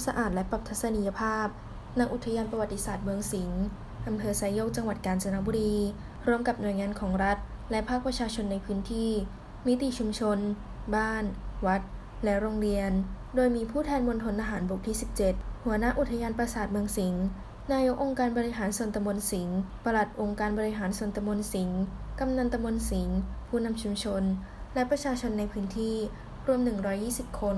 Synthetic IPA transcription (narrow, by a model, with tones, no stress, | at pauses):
sa˧ʔaː˨˩t̪̚lɛ˦˥pa˨˩t̪ʰa˦˥t̪sa˧ni˧ja˧pʰaː˥˩p̚ | na˧˦˥k̚ʔu˨˩t̪ʰːa˧jaː˧npɾa˧wa˨˩t̪ːi˦˥saː˨˩t̪̚mɯ˧əŋsi˩˦ŋ | ʔa˧mpʰɤː˧sa˧˥jo˥˩k̚t͡ɕa˧ŋwa˨˩t̪̚kaː˧nsa˧na˦˥bu˧ɾiː˧ | ɾuː˧˥˩əmka˨˩p̚nu˨˩əjŋaː˧nkʰɔː˩˦ŋɾa˦˥t̪̚ | lɛ˦˥pʰaː˥˩k̚pɾa˧t͡ɕʰaː˧t͡ɕʰo˧nːa˧jpʰɯː˦˥nt̪ʰiː˥˩ | mi˦˥t̪i˨˩˨t͡ɕʰu˧mt͡ɕʰo˧n | baː˥˩nwa˦˥t̪̚ | lɛ˦˥ɾo˧ŋɾi˧ən | doː˧jmiː˧pʰuː˥˩t̪ʰɛː˧nmo˧nt̪ʰo˧nʔaː˧ɦaː˩˦nbu˨˩k̚t̪ʰiː˥˩si˨˩p̚t͡ɕe˨˩t̪̚hu˩˦ɐna˦˥ʔu˨˩t̪ʰːa˧jaː˧npɾa˧saː˨˩t̪̚mɯ˧əŋsi˩˦ŋ | naː˧jo˦˥k̚ʔo˧ŋkaː˧nbɔː˧ɾi˦˥ɦaː˩˦nsuː˧˩nt̪a˧mo˧nsi˩˦ŋpa˧la˨˩t̪̚ʔo˧ŋkaː˧nbɔː˧ɾi˦˥ɦaː˩˦nsnt̪a˧mo˧nsi˩˦ŋka˧mna˧nt̪a˧mo˧nsi˩˦ŋpʰuː˥˩na˧mt͡ɕʰu˧mt͡ɕʰo˧n | lɛ˦˥pɾa˧t͡ɕʰaː˧t͡ɕʰo˧nːa˧jpʰɯː˦˥nt̪ʰiː˥˩ | ɾu˧əmnɯ˨˩ŋɾɔː˦˥jːiː˥˩si˨˩p̚kʰo˧n